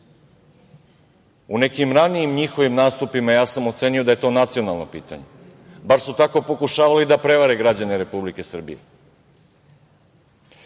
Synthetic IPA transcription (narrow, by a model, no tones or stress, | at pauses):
une̞kimɾanijimɲixo̞ʋimnaːst̪upimajaːsamo̞t̪se̞ːnijo̞d̪aje̞t̪o̞ːnat̪sio̞nalˠnopḭːt̪a̰ɲe | baɾsut̪ako̞po̞kuʃaːʋalid̪apɾe̞ʋaɾe̞ɡɾad͡ʑaneɾe̞publike̞sr̩bijḛ